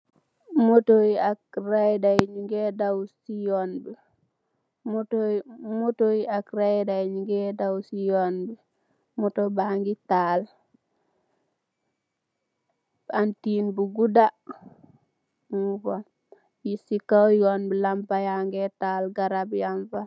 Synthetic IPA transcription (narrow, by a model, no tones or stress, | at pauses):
motojiakɾajdaiɲiŋɡedawsijonbi | motomotojiakɾadaiɲiŋɡedawsijonbi | motobaŋɡital | antinbuɡuda | mufa | jisikawjonbilampajaŋɡetalɡaɾabjanpa